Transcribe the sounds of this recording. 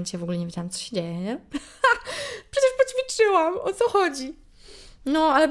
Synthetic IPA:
ɲt͡ɕɛjvɔɡulɛɲevʲed͡ʑawamt̪sɔ̥ɕed͡ʑejɛɲɛ | pʂɛt͡ɕɛʂpɔt͡ɕfʲit͡ʂɘwamɔt̪sɔxɔd͡ʑi | nɔalɛb

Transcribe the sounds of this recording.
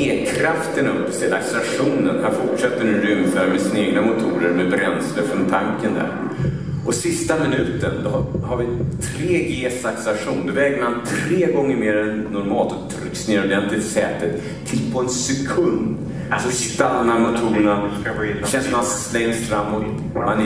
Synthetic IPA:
eːkʰɾaft̪ənɵpːəst̪ɛlaksaʂuːnənhanfʊʈʂɛt̪ːəɳnʉːɾʏmfœːɾamɛsɪnaeːɡnamʊt̪ʰuːɾəɾmɛbɾɛnsləɾfɾɔnt̪ʰaŋkənd̪æ̰ɾ | ʔɔsɪst̪amɪnʉ̟ːt̪ə̰nd̪ɔhaɾvɪt̪ʰɾeːɡeːsaksaʂuːnd̪ɔvɛːɡəmant̪ʰɾeːɡɔŋːəɾmeːɾɛnːɔɾmɑːlt̪ɔt̪ʰɾʏ̰ksnɪɾɔd̪ɛnt̪lɪt̪sɛ̰ːt̪ːət̪ʰː | ɪlpʰɔɛnsɛkʰɵnd̪ | sɔst̪anːamʊt̪ʰuːɾəɳaɕɛnst̪maslɛŋsfɾamːot̪ | man

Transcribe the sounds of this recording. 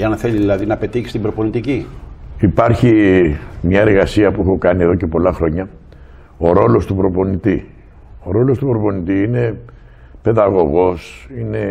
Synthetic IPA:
eɐnθe̞ʎiðilɐðinɐpe̞t̪içist̪ibɾopo̞nit̪iciipɐɾçi | mɲɐe̞ɾɣɐsiɐpuexo̞kɐnieðo̞ce̞po̞lɐxɾo̞ɲɐ | o̞ɾo̞lo̞st̪upɾo̞po̞nit̪i | o̞ɾo̞lo̞st̪upɾo̞po̞nit̪iine̞ | pe̞ðɐɣo̞ɣo̞sine̞

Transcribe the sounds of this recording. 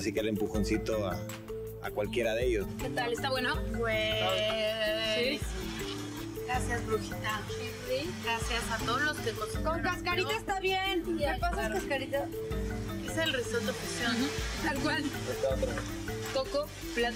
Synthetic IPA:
s̬ikelempuxo̞nsit̪oa | akwalkje̞ɾaðeeʝosket̪alest̪aβwenopwea | sis | ɡɾasjazβɾuxit̪as | si | ɡɾasjasat̪oðozlost̪ekosokaskaɾit̪aest̪aβjenepasaaskaɾit̪a | eselresot̪ofisjont̪alkwalest̪aot̪ɾo | t̪oko | pla

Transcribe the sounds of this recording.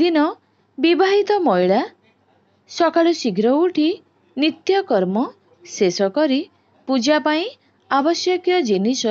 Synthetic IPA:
d̪inɔ | bibʱaɦit̪ɔmɔjɭa | sɔkaɭusiɡʱɾɔuʈʰi | nit̪jɔkɔɾmɔ | sesɔkɔɾi | pud͡ʒapaĩ | abɔsjɔkjɔd͡ʒinisɔ

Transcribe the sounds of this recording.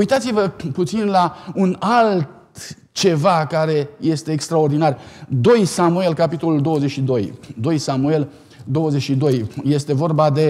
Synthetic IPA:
ujt̪at̪sivəput̪sinlaunalt̪ | t͡ʃe̞vakaɾe̞je̞st̪e̞ːkst̪ɾao̞rd̪inard̪o̞jsamue̞lkapit̪o̞luld̪o̞wəzet͡ʃʃid̪o̞jd̪o̞jsamue̞l | d̪o̞wəzet͡ʃʃid̪o̞jje̞st̪e̞vo̞rbad̪e̞

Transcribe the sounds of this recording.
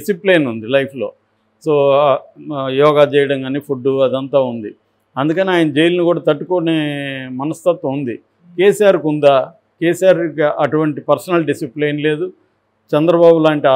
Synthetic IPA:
isipleːnund̪ilɐjpʰlo̞ː | so̞ː | jɔːɡaːt͡ʃɛːjɐɽɐŋkɐniːpʰuɖːuɐd̪ɐnt̪aːund̪i | ɐnd̪ukɐniaːjɐnɐd͡ʒe̞jilɐnikuːɽaːt̪ɐʈːukoneːmɐnɐst̪ɐt̪ːɐund̪i | keːsijaːɾkund̪aː | keːsijaːɾkiɐʈuʋɐɳʈipɐɾsɐnɐlɖisipleːnle̞ːd̪u | t͡ʃɛnd̪ɾɐbaːbulaːɳʈi

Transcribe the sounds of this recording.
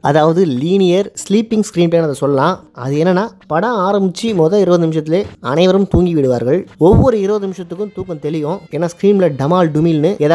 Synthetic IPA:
ɐðaːʋɐðɯliːnɪjɐɾsliːpːɪŋskɾiːnpeːnɐðɐsɔlːɐlãːɐ̰ðɯɛnːɐnːaːpɐɽɐ̃aːɾɐmbɪt͡ʃːimɔðɐɪɾoːðɯnɪmɪʂɐt̪ːɪleːɐnɐɪʋɐɾɯmt̪uːŋɡiʋɪɽɯʋaːɾɣɐɭɔʋːɔɾɯɪɾɯːðɯnɪmɪʂɐt̪ːɯkːɯ̃mt̪uːkːɐ̃t̪ɛɭɪjõːɛnːaːskɾiːmlɐɖɐmaːlɖʊmɪlnɯɛːða

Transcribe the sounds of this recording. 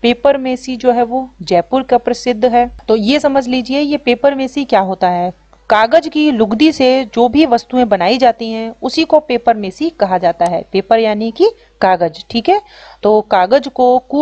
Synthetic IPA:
peːpəɾmeːsid͡ʒoːɦɛʋod͡ʒɛːpʊɾkapɾɐsɪd̪ʱːɦɛːt̪oːjesɐməd͡ʒʱliːd͡ʒiejepeːpəɾmeːsikjaːɦoːt̪aɦɛː | kaːɡəd͡ʒkilʊɡd̪ised͡ʒoːbʱiʋɐst̪uẽbɐnaːid͡ʒaːt̪iɦɛ̃ʊsikopeːpəɾmeːsikɐɦad͡ʒaːt̪aɦɛ̰ːpeːpəɾjaːniki | kaːɡəd͡ʒʈʰiːkɦɛːt̪oːkaːɡəd͡ʒkokuː

